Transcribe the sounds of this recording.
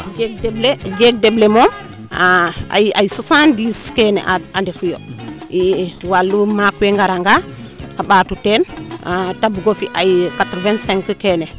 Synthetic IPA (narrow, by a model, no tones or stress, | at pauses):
ɡeɡdebleɡeɡ̚deblemom | a̰ajisosandiskenḛʔaandefujo̰ | iwalːumakeŋɡaɾaŋɡa | aɓatutenatabuɡofiʔajkatɾvenseŋkəkene